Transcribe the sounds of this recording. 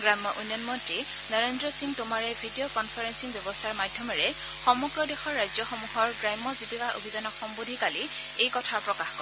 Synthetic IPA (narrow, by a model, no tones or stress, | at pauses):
ɡɹamːɔʔunjɔnmɔntɹi | nɔɹendɹɔsiŋtʊmaɹɛbʱidijokɔnpʰaɹensiŋbjɔbɔstaɹmadʱjɔmɔɹɛ | xɔmɔɡɹɔdexɔɹːajzɔxɔmuɦɔɹɡɹajmɔzibikaʔo̰bʱizanɔxɔmbodʱikali | ejkɔtʰapɹɔkaxkɔ